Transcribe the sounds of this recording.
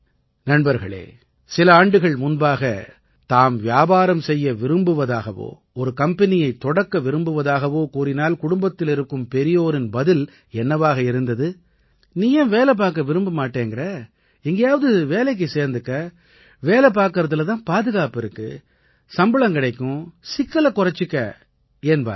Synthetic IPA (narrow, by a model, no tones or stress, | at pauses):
nɐnbɐɾɣɐ̰ɭḛː | sɪlɐaːɳɖɯɣɐɭmʊnbaːɣɐ̰ | t̪aːmʋjaːbaːɾɐmsɛjːɐʋɪɾɯmbɯʋɐðaːɣɐʋo̰ː | ɔɾɯkɐmpɛnɪjɐɪt̪ːɔɽɐkːɐʋɪɾɯmbɯʋɐðaːɣɐʋoːkuːrɪnaːlkʊɽʊmbɐt̪ːɪlɪɾɯkːɯmpɛɾɪjoːɾɪnbɐðɪl | ɛnːɐʋaːɣɐɪɾɯnd̪ɐðɯ | niːjɐʋeːlɐp̬aːɾkːɐʋɪɾɯmbɯmaːʈːeːŋɡɪrɐ | ɪŋɡɐjaːʋɐðɯʋeːlɐɪk̬ːɯseːɾnd̪ɯkːɐ | ʋeːlɛp̬aːɾkɯɾɐðɯlɐt̪ãːnpaːðɯɣaːpɪɾɯkːɯ̰ | sɐmbɐɭɐŋkɪɽɐɪkːʊ̃sɪkːɐlɐkʊrɐt͡ʃːɯkːɐ̰ | eːnba̰ːɾ